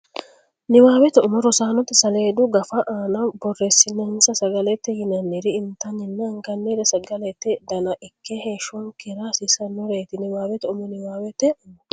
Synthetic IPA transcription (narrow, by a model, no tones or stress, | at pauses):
nɪwaːwɛt̪ɔʔʊmɔɾɔsaːnɔt̪ːɛsɐleːd̪ʊɡɐfɐʔaːnɐbɔrːesːɪnːɛhmsɐsɐɡɐlɛt̪ːɛjɪnɐnːɪɾɪɪnt̪ɐnɪnːɛɐŋkɐnːiːd̪ɐsɐɡɐlɛt̪ːɛd̪ɐnɐʔɪkːɛheːʃɔŋkɛɾaːsisɐnːɔɾeːt̪ɪnɪwaːwɛt̪ɔʔʊmɔnɪwaːwɛt̪ːɛ